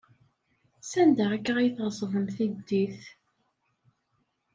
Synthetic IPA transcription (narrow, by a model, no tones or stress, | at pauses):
sænd̪əʁækːʁajθʁzˤəvəmθid̪ːiθ